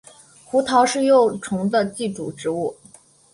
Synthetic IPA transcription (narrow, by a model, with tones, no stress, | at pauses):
xu˧˥t̪ʰɑ˧˥ʊʂɻ̩˥˧jo˥˩ʊʈ͡ʂʰʊ˧˥ŋd̪ə˧t͡ɕi˥˩ʈ͡ʂṵ˨˩ʈ͡ʂɻ̩˧˥u˥˩